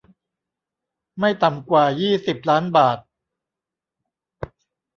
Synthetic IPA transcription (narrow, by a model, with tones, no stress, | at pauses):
ma˥˩jt̪a˨˩mkwaː˨˩jiː˥˩si˨˩p̚laː˦˥nbaː˨˩t̪̚